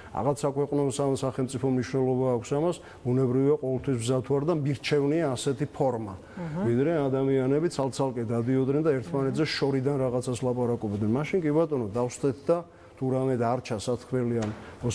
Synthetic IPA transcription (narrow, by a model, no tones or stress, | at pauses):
a̰ʁat̪sʰakʰwɛqʼnɔsasaχɛlmt̪sʼipʰɔmniʃwnɛlˠɔbaːkʷʰsamas | bunɛbɾiviaqʼɔvɛlˠt̪ʰwisbzat̪ʰuaɾd̪amiɾt͡ʃʰɛvniaːsɛt̪ʰipʰɔɾma | vid̪ɾɛad̪amianɛbit̪sʰalˠt̪sʰalˠkʼɛd̪ad̪iɔd̪nɛnd̪aɛɾt̪ʰmanɛt̪ʰzɛʃɔɾid̪anɾaʁat̪sʰaslˠapʼaɾakʼɔbd̪nɛnmaʃinkʼibat̪ʼɔnɔd̪afst̪ʼɛt̪̚ʰd̪a | t̪ʰuɾamɛd̪aɾt͡ʃʰasat̪kʰmɛlianmɔ